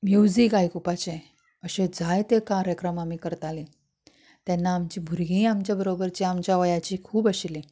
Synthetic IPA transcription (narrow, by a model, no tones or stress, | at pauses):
mjud͡zikajkupat͡ɕe | əɕẽd͡zajt̪ekaɾjəkɾəmamiːkəɾt̪alẽ | t̪janːaːmt͡ɕiːbʱuɾɡĩːamt͡ɕjabəɾobəɾt͡ɕiamt͡ɕjaʋəjat͡ɕiːkʰuːbəɕile